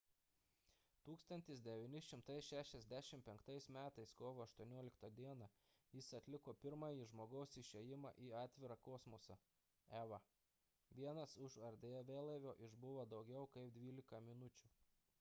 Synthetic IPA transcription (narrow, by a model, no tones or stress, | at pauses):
t̪uːkst̪ɐnʲt̪ʲɪsd̪ʲɛʋʲinʲɪʃʲɪmt̪ɐɪsʃʲæːʃʲɛzʲd̪ʲæʃʲɪmpʲɛŋkt̪ɐɪsmʲæːt̪ɐɪskoːʋoːɐʃt̪uɔnʲoɔlʲɪkt̪ɐd̪ʲiɛnɑ | jɪsɐt̪ʲlʲɪkoːpʲɪɾmɑːjiːʒmoːɡɐʊsɪʃʲejɪmɑ̰ʔiːɑːt̪ʲʋʲɪɾɑkoːsmosɐ | æːʋɐ | ʋʲiɛnɐsʊʃɐɾʲd̪ʲeːʋʲeːlˠɐʋʲoːʔɪʒbʊʋɐd̪ɒʊɡʲɛʊkɐɪp̚d̪ʲʋʲiːlʲɪkɐmʲɪnʊt͡ʃʲʊ